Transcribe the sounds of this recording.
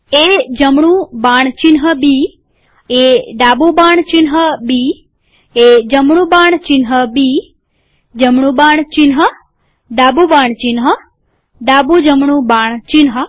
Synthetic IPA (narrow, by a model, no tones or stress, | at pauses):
ed͡ʒəmɳũbaɳt͡ʃinɦəbi | ed̪abubaɳt͡ʃinɦəbi | ed͡ʒəmɳũbaɳ̃t͡ʃinɦəbi | d͡ʒəmɳũbaɳ̃t͡ʃinɦə | d̪abubaɳt͡ʃinɦə | d̪abud͡ʒəmɳũbaɳt͡ʃinɦə